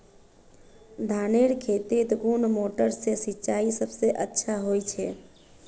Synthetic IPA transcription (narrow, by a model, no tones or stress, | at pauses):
d̪ʱaːneɾkʰeːt̪et̪ɡunmoʈəɾsesit͡ʃaːisəbseʔətːʃʰaɦoit͡ʃʰɛː